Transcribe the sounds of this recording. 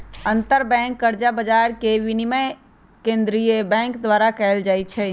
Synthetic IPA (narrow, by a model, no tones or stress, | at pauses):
ənt̪əɾbɛ̃ŋkːəɾd͡ʒabəd͡ʒaɾkeʋiniməj | kẽnd̪ɾijebɛ̃ŋkd̪ʋaɾakɛːld͡ʒajt͡ʃʰɛ